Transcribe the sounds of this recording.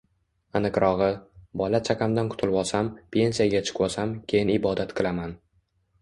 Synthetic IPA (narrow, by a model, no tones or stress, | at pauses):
ɨnɪqɾʔɒʁɨbɒlat͡ʃʰakʲʰamd̪anqʰʊ̥t̪ʰɪlbɒsampʰʲe̞nsijaɡʲat͡ʃʰɨ̥qwɒsamkʲʰe̞jɪnɪbɒd̪at̪qʰɨlˠaman